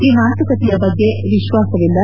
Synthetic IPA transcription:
iːmaːt̪ukɐt̪ijɐbɐɡːe̞ | ʋiʃʋaːsɐʋilːɐ

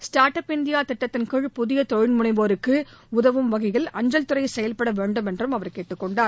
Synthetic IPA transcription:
sʈaːɾʈɐpɪnd̪ɪjaːt̪ɪʈːɐt̪ːɪnkɯɻpʊðɪjɐt̪ɔɻɪlmʊnɐɪʋoːɾɯkːɯʊðɐʋɯmʋɐɣɐɪɣɐɭɐɲd͡ʒɐlt̪ɯrɐjsɛjɐlpɐɽɐʋeːɳɖɯmɛndrɯmɐʋɐɾkeːʈːɯkːɔɳɖaː

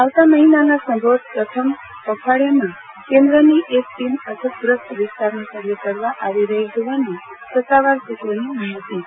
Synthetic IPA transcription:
aʋt̪aməɦinanasə̃mbod̪̚pɾət̪ʰəm | kəkʰaɽamã | kẽnd̪ɾəniʔesʈimət̪ʰəbɾəsʈ̪ʰʋɪst̪aɾnakəɾijəkəɾʋaʔaʋiɾəɦid͡ʒoʋani | sət̪ːaʋaɾsetləniməiɦət̪i

